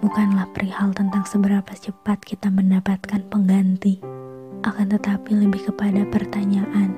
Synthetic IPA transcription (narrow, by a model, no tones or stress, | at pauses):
bukanlahpəɾʔihalt̪ənt̪aŋsəbəɾapat͡ʃəpat̪̚kit̪aməndapat̪̚kanpəŋɡant̪iʔakant̪ət̪apiləbɪhkəpadapərt̪aɲaʔan